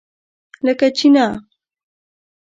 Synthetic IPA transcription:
lakat͡ʃinaː

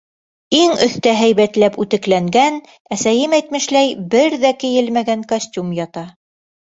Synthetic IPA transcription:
iŋɵ̆θt̪æɦæjβæt̪læpʉt̪ɘ̆klæŋɡæn | æsæjɘmæjt̪mɘ̆ʃlæjbɘɾðækɘ̆jɘ̆lmæɡæŋkosʲtʲumjɑt̪ɑ

